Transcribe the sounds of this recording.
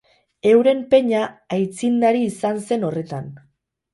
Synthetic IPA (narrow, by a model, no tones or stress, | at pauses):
e̞wɾe̞mpe̞ɲaːjt͡sind̪aɾiːsanse̞no̞re̞t̪an